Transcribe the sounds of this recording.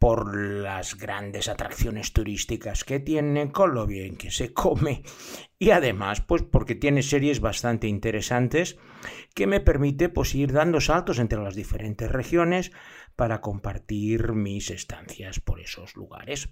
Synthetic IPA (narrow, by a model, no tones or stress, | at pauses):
po̞ɾlazɣɾand̪e̞sat̪ɾakθjo̞ne̞st̪uɾist̪ikaske̞t̪jeneko̞nloβjeeŋkesekʰomeiaðemaspwe̞spoɾke̞t̪jene̞seɾje̞zβast̪ant̪e̞int̪eɾe̞sant̪e̞s | ke̞me̞pe̞ɾmit̪epwesiɾðand̪osalt̪o̞se̞nt̪ɾelazðifeɾʔe̞nt̪e̞sre̞xjo̞ne̞spaɾako̞mpaɾt̪iɾmise̞st̪a̰n̟θjaspo̞ɾeso̞zlṵɣa̰ɾe̞s